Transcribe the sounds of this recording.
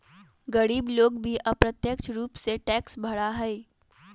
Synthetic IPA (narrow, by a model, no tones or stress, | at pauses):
ɡəɾiːbloːɡbʱiʔɐpɾət̪jəkt͡ʃʰɾuːpseʈɛːksbʱɐɽaɦɛe